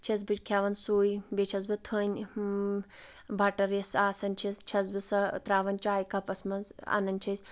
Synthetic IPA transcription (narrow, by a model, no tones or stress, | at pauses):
t͡ʃʰis̬bɨt͡ʃkʰaʋɐnsoːjbet͡ʃʰɐzbɨt̪ʰəːnʲ | bʱɐʈɐɾjɐsaːsɐnʲt͡ʃʰist͡ʃʰɐzbɨsɐt̪ɾaːʋɐnt͡ʃaːjkʰɐpɐsmɐnzɐ̰nɐnʲt͡ʃʰis